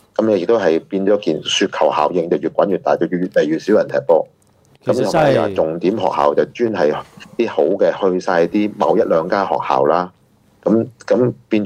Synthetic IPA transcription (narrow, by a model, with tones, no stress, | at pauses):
kɐ˨˦mjɛ˨˧jɪ˨k̚t̪o˥wɦɐ˨jpiː˧nt͡sɔː˨˥kiː˨˩nsyː˧t̚kʰɐ˨˩wha̰ː˨˩wjɪ˨˧ŋt͡sɐ˨˩wjyː˨t̚kʷɐ˨˥njyː˨t̪aː˨jt͡sɐ˨˩wjyː˨yː˨t̚le˨˩jyː˨t̚si˨˥wjɐ˨˩nt̪ʰɛː˨˩k̚pɔː˧ | kɐ˦mʰː˨˩a̰ː˨˩t͡sʊ˨ŋt̪iː˨˥mɦɔ̰ː˨k̚ha̰ː˨wt͡sɐ˨wt͡ʃyː˥nɦɐ˨jt̪iː˥ho˨˥wkɛː˧hɵ˧ɥsaː˧jt̪iː˥mɐ̰˨˧wjɐ˥t̚lœː˨˧ŋkaː˥hɔ̰ː˨k̚ha̰ː˨wlaː˥ | kɐ˨˥mkɐ˨˥mpiː˧n